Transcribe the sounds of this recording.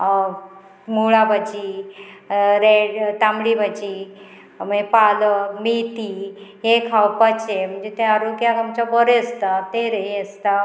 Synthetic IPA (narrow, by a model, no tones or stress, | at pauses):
muɭabət͡ɕi | ɾeɖt̪amɽibət͡ɕi | m̤əd͡zepaləmit̪iɦekʰawpət͡ɕem̤əɳd͡zet̪ẽaɾoɡjakamt͡ɕabəɾjest̪at̪eɾeest̪a